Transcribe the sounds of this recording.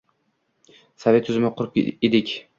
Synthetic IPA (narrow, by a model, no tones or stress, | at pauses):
save̞t̪ʰːʊzɪmɪqʰʊɾed̪ɪkʲ